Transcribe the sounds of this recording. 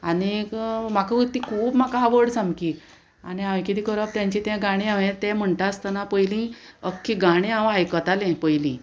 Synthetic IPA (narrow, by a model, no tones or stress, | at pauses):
anikm̤akəut̪ːikʰuːbm̤akaɦaʋəɽsãmkiː | aniãʋĩkit̪iːkəɾəp̚t̪jãɲt͡ɕit̪ɛ̃ɡaɽ̃ẽaʋẽt̪ɛm̤əɳʈ̪ast̪anapəjlĩəkːiɡaɽ̃ẽaʋɦajkət̪alẽpəjlĩː